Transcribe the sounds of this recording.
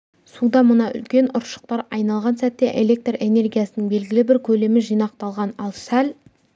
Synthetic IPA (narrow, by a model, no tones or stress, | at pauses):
sud̪ɑmʊnɑʔʏ̰lkʲe̞nʊɾʃə̥q̚t̪ɑɾɑjnɑlˠʁɑnsæt̪ːe̞ʔe̞le̞k̚t̪re̞ne̞rɡʲijasənəɴbe̞lɡʲɪlɪbɪɾkʲʰɵle̞mɪʒijnɑq̚t̪ɑlˠʁɑnɑlˠsæl